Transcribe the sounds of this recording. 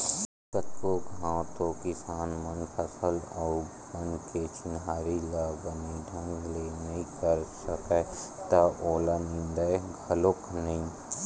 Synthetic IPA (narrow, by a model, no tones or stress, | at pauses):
sət̪koɡãːt̪okɪsaːnmənpʰəsəlɔːɾ | bənket͡ʃɪnɦaːɾilaːbəniɖʱə̃ŋɡlenɐɦĩkəɾsəket̪aʔoːlanɪ̃nd̪əeɡʱəloknəɦĩ